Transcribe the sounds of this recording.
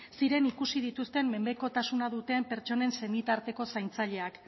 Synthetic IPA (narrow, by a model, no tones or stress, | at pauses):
siɾe̞nikusið̞it̪ust̪e̞mːe̞mbe̞ko̞t̪asunað̞ut̪e̞ːmpe̞ɾt͡ʃo̞ne̞nse̞mit̪aɾt̪e̞ko̞sajnt͡saʎe̞ak